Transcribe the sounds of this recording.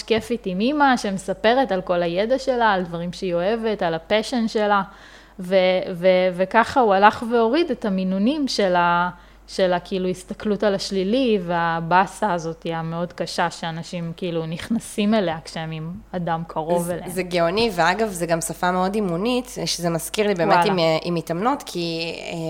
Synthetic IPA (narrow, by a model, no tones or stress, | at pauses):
ʃkefitimimaʃe̞mesape̞ʁetalko̞lajedaʃe̞laːldvaʁimʃejo̞e̞ve̞talapeʃenʃe̞la | vevevekaχaualaχve̞o̞ʁidetaminunimʃela | ʃelakiiluist̪aklutalaʃliliveabasaːzo̞tijame̞o̞dkaʃaʃe̞anaʃimkiiːluniχnasime̞leakʃeemimadamkʰaʁo̞velezeɡeoniveaɡavzeɡamsafameo̞dimunitʃezemaskiʁlibeːmeimʔimitamnotkʰie